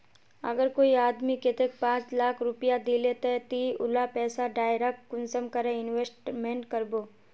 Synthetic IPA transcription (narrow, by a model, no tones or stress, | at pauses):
ɐ̰ɡəɾkoːiaːd̪miket̪ek̚pãːt͡ʃlaːkʰɾʊpijad̪ilet̪et̪iʊlapɛːsaɖaːjɾakːʊnsəmkəɾẽɪnʋeːsʈmẽːɳʈkəɾboː